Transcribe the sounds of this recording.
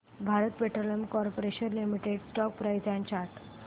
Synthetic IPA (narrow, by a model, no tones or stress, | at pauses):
bʱaɾət̪peʈɾoləmkɔɾpoɾeɕənlimiʈeɖsʈɔk̚pɾajd͡ʑjãɲt͡ɕaʈ